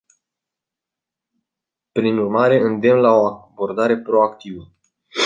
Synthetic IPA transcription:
pɾinurmaɾe̞ɨnd̪e̞mlao̞abo̞rd̪aɾe̞pɾo̞akt̪ivə

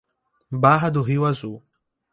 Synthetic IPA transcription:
baɦɐd̪ʊɦiwazu

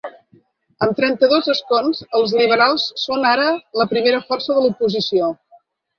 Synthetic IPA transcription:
əmt̪ɾɛnt̪əðozəskonzəlˠzliβ̞əɾalˠsːonaɾələpɾimeɾəfɔrsəðəlupuzisio

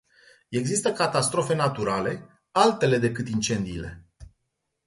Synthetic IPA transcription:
e̞ɡzist̪əkat̪ast̪ɾo̞fe̞nat̪uɾale̞ | alt̪e̞le̞d̪e̞kɨt̪int͡ʃe̞nd̪iːle̞̰

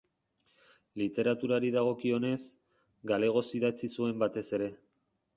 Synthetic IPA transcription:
lit̪e̞ɾat̪uɾaɾiðaɣ̞o̞kio̞ne̞s | ɡale̞ɣ̞o̞siðat͡sisue̞mbat̪e̞se̞ɾe̞

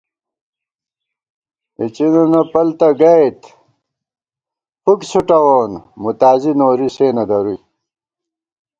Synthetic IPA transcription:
it͡ɕinonɐpɐlt̪ɐɡɐjt̪ | puksuʈɐwoːnmut̪aːzinoːɾiseːnɐd̪ɐɾuj

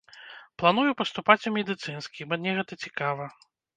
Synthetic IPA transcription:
plˠan̪ujupɐst̪upat͡sʲumʲɛd̪ɨt̪sɨnskʲibɐnʲɛɣɛt̪ɐt͡sʲikavɐ

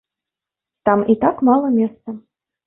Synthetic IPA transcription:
t̪amit̪akmɑlˠəmʲest̪sə

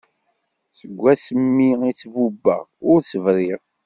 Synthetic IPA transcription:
səɡʷːæsəmːiit͡sːvubːə̰ʁʊɾt͡sːəvɾˤiʁ

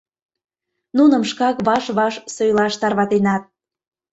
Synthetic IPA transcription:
nunə̆mʃkɑkβɑʃβɑʃsojlɑʃt̪ɑrβɑt̪enɑt̪̚

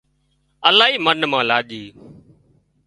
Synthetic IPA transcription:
əlaːɦiːmənmãːlaːʄiː

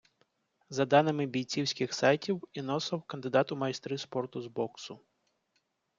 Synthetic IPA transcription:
zɐd̪ɑnɪmɪbʲijt͡sʲiwsʲkʲɪxsɑjtʲiwinɔsɐwkɐnd̪ɪd̪ɑt̪ʊmɐist̪ɾʲispɔrt̪ʊzbɔksʊ

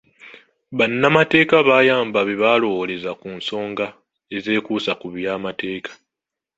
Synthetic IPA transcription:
βanːamate̞ːkaβaːjaːmbaβeβalo̞wole̞zakunso̞ːŋɡa | e̞ze̞ːkuːsakuβjaːmate̞ːkʰḁ

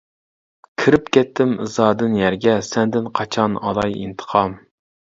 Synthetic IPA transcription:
kʲʰiɾɪpkʲʰɛt̪ʰːɪmɨzɑːd̪ɨnjæɾɡʲɛsɛnd̪ɪnqʰɑt͡ʃʰɑnɑ̰d̪ɑjḭnt̪ʰə̥qʰɑm

